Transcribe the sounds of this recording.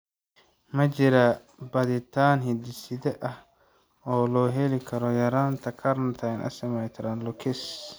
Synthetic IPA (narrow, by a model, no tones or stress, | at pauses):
mɐt͡ʃɪɾɐ | bɐðɪt̪ʰaːnɦɪd̪ɪsɪðɛʔɐh | ɔːlɔːɦɛlɪkʰɐɾɔjɐɾaːnt̪ʰɐkʰɐɾnt̪ʰɐjnʔɐ̰sɪmɐjt̪ʰɐɾɐnlɔkʰɪs